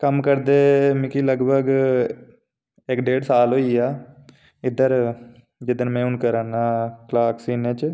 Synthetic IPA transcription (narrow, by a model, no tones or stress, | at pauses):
kəmkəɾd̪eːmɪkiləɡbʱəɡ | ɪkɖeːɖsaːlɦoːiːaː | ɪd̪əɾ | d͡ʒɪd̪ənmɛ̃ːʊnkəɾaːnaːklaːksiːnẽːt͡ʃ